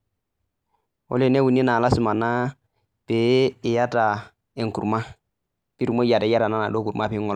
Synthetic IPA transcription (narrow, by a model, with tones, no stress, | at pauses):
o̰˦le˨ne˦wu˨ni˦na˨la˦su˨ma˨na˦ | pe˨˦ɪ˨ja˦ta˨ | e˨ŋ˨ku˨ɾma˦ | pi˦ɾu˨mo˦ja˨ta˨˦ja˦ɾa˨na˦na˨do˦ku˨ɾma˦pi˦ŋɔ˦l